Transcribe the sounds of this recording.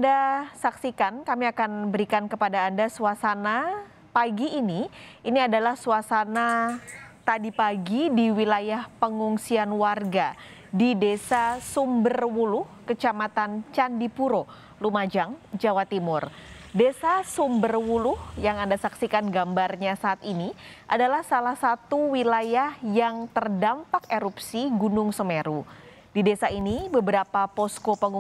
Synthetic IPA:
andasaksikankamiakanbəɾikankəpadaːndasuasana | paɡiːniiniadalahsuasana | t̪adipaɡidiwilajahpəŋuŋsianwarɡa | didesasumbərwulʊhkət͡ʃamat̪ant͡ʃandipuɾo | lumad͡ʒaŋd͡ʒawat̪imʊrdesasumbərwulʊhjaŋandasaksikanɡambarɲasaːt̪iniʔadalahsalahsat̪uwilajahjaŋt̪ərdampakeɾupsiɡunʊŋsəmeɾu | didesainibəbəɾapapɔskopəŋu

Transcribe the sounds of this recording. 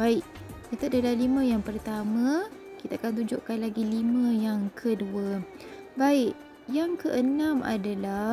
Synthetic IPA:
baɪʔkat̪aʔdalahlimə̃jaŋpərt̪amã | kit̪aakant̪̬uɲd͡ʒoʔkanlaɡilimə̃jaŋkʰədua | baɪʔ | jaŋkəʔənãmʔa̰dala

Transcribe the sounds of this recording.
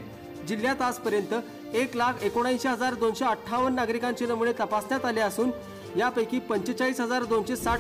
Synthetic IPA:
d͡ʑil̤jat̪aspəɾjənt̪ə | eklakʰekoɽ̃ajsɕeɦəd͡zaɾd̪onɕeəʈʰːaʋənːaɡɾikãɲt͡ɕenəmuɭet̪əpasnjat̪aleəsuːn | japəjkiːpəɲt͡ɕet͡ɕaɦiːsɦəd͡zaɾd̪onɕesa

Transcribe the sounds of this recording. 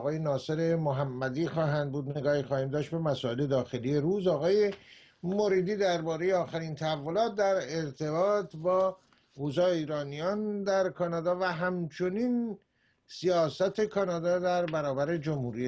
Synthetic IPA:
ɣɒːjenɒːse̞ɾe̞moɦæmːæd̪iːxɒːɦænd̪̚buːd̪neɡɒːhixɒːhiːmd̪ɒːʃt̪̚be̞mæsɒːe̞le̞d̪ɒːxe̞lije̞ɾuːzɒːɣɒːje̞ | moɾiːd̪iːd̪æɾbɒːɾe̞jeɒːxæɾiːnt̪ʰæævːo̞lɒːt̪̚d̪æɾeɾt̪ʰe̞bɒːt̪ʰbɒː | oːzɒːiːɾɒːnijɒːnd̪æɾkʰɒːnɑːd̪ɒːvæɦæmt͡ʃʰo̞niːn | sijɒːsæt̪ʰe̞kʰɒːnɒːd̪ɒːd̪æɾbæɾɒːbæɾe̞d͡ʒomhuːɾi

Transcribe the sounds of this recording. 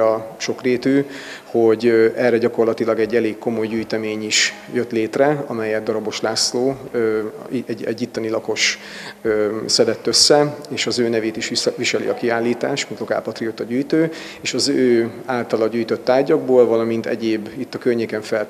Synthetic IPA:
ɒʃo̞kreːt̪yːho̞ɟɛrːɛɟɒko̞rlɒt̪ilɒɡɛɟːɛleːkko̞mo̞jɟyːjt̪ɛmeːɲiʃ | jø̞t̪leːt̪rɛɒ̰mɛjɛd̪̚d̪ɒɾɒbo̞ʃlaːsloː | ɛɟɛ̰ɟːit̪ːɒnilɒko̞ʃ | øsɛd̪ɛt̪ːøsːɛeːʃɒzøːnɛveːt̪iʃʋiʃɛlḭɒ̰kiaːlːiːt̪aːʃmint̪oka̰ːpɒt̪riot̪ɒɟyːjt̪øː | eːʃɒzøːaːlt̪ɒlɒɟyːjt̪ø̞t̪ːaːrɟɒɡ̚boːlvɒlɒmint̪ɛ̰ɟeːbːit̪ːɒkørɲeːkɛɱfɛl

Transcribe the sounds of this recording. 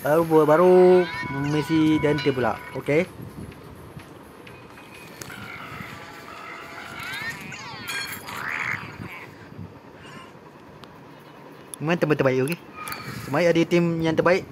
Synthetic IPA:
aɾubuəbaɾu | misidant̪əbula̰ʔoke | mãnt̪əmənt̪ərbaɪʔoke | t̪əbaiʔadit̪imjaŋt̪ərbaiʔ

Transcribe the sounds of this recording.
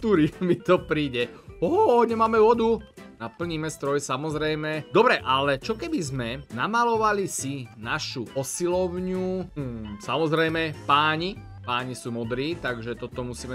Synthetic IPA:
t̪uɾimit̪ɔpɾiːɟɛɔɦɲɛmaːmɛʋɔd̪unapl̩ɲiːmɛst̪ɾɔjsamɔzɾɛjmɛd̪ɔbɾɛʔalɛt͡ʃɔkɛbizmɛnamalɔʋalisinaʃuʔɔsilɔʊɲu | samɔzɾɛjmɛpaːɲi | paːɲisuːmɔd̪ɾiːt̪aɡʒɛt̪ɔt̪ɔmusiːmɛ

